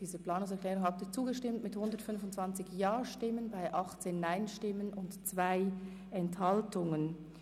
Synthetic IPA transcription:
d̥iːzəplaːnʊŋsɛɐklɛːʁʊŋhaːb̚tiːt͡suːɡəʃtɪmtmɪthʊndətfʏnfʊntt͡sv̥ant͡sɪçjaːʃtɪmənbaɪʔɑχt͡seːnːaɪnʃtɪmənʔʊntt͡sv̥aɪ | ɛnthɑltʊŋən

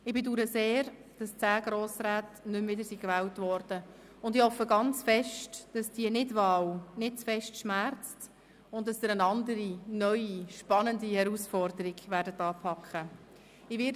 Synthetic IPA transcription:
ɪbɪduːɾəseːr | d̥ɑst͡sæːɡɾoːsræːtnʏmvɪdəɾsikvɛːwtvɔɾd̥ə | ʊndɪhɔfəɡɑnt͡sfɛʃtd̥ɑsd̥iənɪdvɑːwnɪt̚t͡sfɛʃtʃmæɾt͡st | ʊnt̚d̥ɑsdəɾənɑndəɾinœʏiʃpɑnəndihɛɾusfɔrdəɾɪɡvæːrdətɑːpʰɑkχə | ɪʋɪ

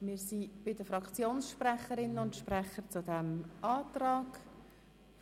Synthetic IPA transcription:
mɪːɾsib̥ɪdəfɾɑkt͡sjoːnsʃprɛχəɾɪnənʊntʃprɛχəɾt͡sʊdɛmɑːt̪ɾɑːɡ

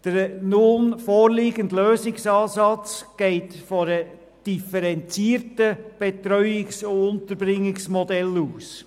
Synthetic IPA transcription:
d̥əɾnʊnfɔːɾliːɡəntløːsɪksɑːsɑt͡sɡ̥ɛɪtfɔɾə | d̥ifəɾɛnt͡siːəɾtəb̥ɛtɾœʏɪksoʊnt̪əɾbɾɪŋːɪksmɔdɛluːs

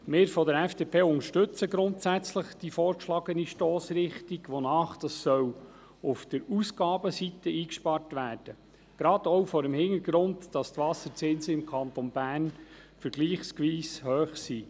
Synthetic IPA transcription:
mɪːɾfɔdəɾɛfd̥eːpʰeːʊŋəʃtɵt͡səɡɾʊntsæt͡sləχd̥ifɔːɾkʃlɑɡəniʃtoːsɾɪχtiɡʋonɑːχd̥ɑsːœw | ʊfd̪̥əɾusɡɑːbəsitəiːkʃpɑrtʋæːrd̥ə | ɡ̥ɾɑd̥ɔwfɔːɾəmhɪŋəɡ̥ɾʊntd̥ɑst̪ʋɑsət͡sɪnsəɪmkʰɑnt̪ɔnbæːnfəɾɡliːχskʋiːshøːχsiː

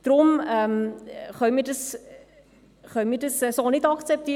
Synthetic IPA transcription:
d̥rʊməmχœmiːdəs | χœwmiːdəsɛsoːnɪtɑkt͡sɛp̚tiː

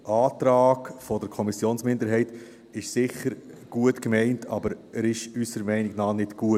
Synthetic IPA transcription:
ʔɑːt̪ɾɑːkfɔdəɾkʰɔmisjoːnsmɪndəɾɦɛɪt | ɪʃsɪçəɾ | ɡ̥uətkmɛɪntʰɑ̰bəɾæɾɪʃysəɾmɛɪnɪɡnɑːnɪtɡ̥uət

